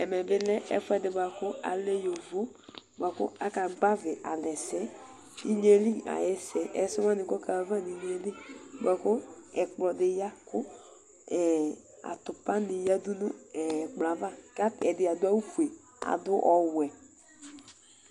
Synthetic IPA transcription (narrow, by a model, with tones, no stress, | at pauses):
ɛ˨mɛ˨bɪ˦lɛ˦ʔɛ̰˨˦fʊ˦ɛ˦dɪ˨ba˨kʊ˦a̰˨le˦jo˨vo˦ba˨kʊ̰˦a˦ka˨ɡ͡ba˦vɪ˨ʔa˨lɛ˨sɛ˦ | i˦ɲe˦li˦a̰˨jɛ˦sɛ˨ʔɛ˨˦sɪ˦wa˦nɪ˨kɔ˦ka˨˦va˦˨ni˨˦ɲe˨li˦˨bʷa˨kʊ˦ɛ˨k͡plɔ˨dɪ˨ja˦kʊ˦ | ɛ˨ | a̰˨t̪ʊ˨pa˦nɪ˨ja˦dʊ˦nʊ˦ɛ˨k͡pla˨va˦˨ka˦ɛ˨dɪ˨a˨dʊ˦a˦u˦fu˨e˨ | a̰˨dʊ˦ʔɔ˨wɛ˨